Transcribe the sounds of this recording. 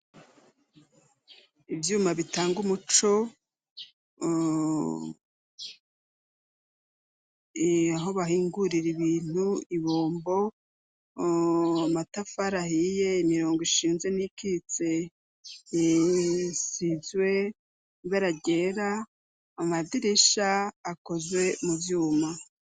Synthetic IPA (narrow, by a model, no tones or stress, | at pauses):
ibjuːmaβitaːŋɡumut͡ʃo̞ | aɦo̞βahiːŋɡuɾiɾiβiːn̥huiβoːmbo̞ | amatafaɾahijeimiɾo̞ːŋɡiʃiːnze̞nikit͡se̞ | sizwe̞ | βaɾaɟe̞ɾaː | madiɾeʃaːko̞zwe̞muvjuːma